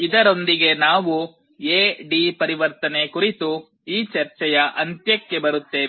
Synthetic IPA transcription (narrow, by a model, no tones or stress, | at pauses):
id̪ɐɾo̞nd̪iɡe̞naːʋu | eːɖipɐɾiʋɐɾt̪ɐne̞kuɾit̪u | iːt͡ʃɐɾt͡ʃɛjɐʔɐnt̪jɐkːe̞bɐɾut̪ːe̞ː